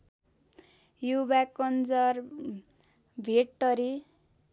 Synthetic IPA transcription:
jubakʌnd͡zʌr | bʱeʈːʌɾi

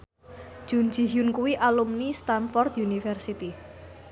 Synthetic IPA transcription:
ʒ̥un̥d͡ʒ̥i̤ɦjunkuwiʔalumnist̪anfɔrd̪junifɛrsit̪i

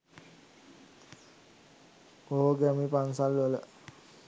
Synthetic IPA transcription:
oɦoɡæmipansalːələ

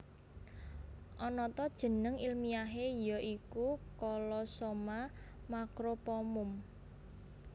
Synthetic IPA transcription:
ʔɔnɔt̪ɔd̥ʒ̥ə̤nəŋilmijaɦejɔʔikukɔlɔsomamakɾopɔmʊm

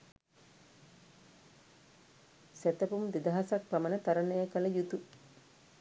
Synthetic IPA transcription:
sæt̪ɐpumd̪id̪ɐɦasak̚pɐmɐnət̪aɾɐnəjəkɐləjut̪u

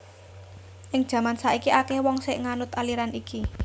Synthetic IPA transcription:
ʔɪŋ̥ʒ̥ä̤mansaʔikiʔakɛhwɔŋsɪʔŋanʊt̪aliɾaniki

